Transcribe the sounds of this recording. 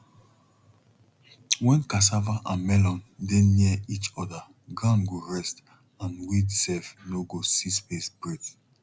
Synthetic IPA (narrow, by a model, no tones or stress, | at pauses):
wɛ̃nkas̬avaʔãnmɛlɔ̃ndɛ̃nːiəit͡ʃɔda | ɡãnɡoɹɛst | ãnwidsɛfnoɡosispesb̥ɹed